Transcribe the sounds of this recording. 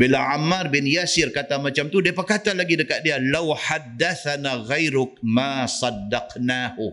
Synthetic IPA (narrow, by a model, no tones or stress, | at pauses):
bilaʕamarbɪnjasɪrkat̪amat͡ʃamt̪udiapərkat̪alaɡidəkat̪̚dialawħadːaθanaɣajɾʊk̚masɑdːɑqnahu